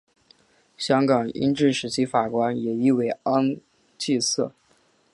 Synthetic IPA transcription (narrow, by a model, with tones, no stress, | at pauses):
ɕjɑ˥ŋkɑ˨˩ŋḭ˥nʈ͡ʂɻ̩˥˩ʂɻ̩˧˥t͡ɕʰi˧˥fa˨˩kwa˥njɛ˨˩i˥˧we˧˨˩ɪɑ˥ŋ | t͡ɕi˥˧sɤ̰˥˩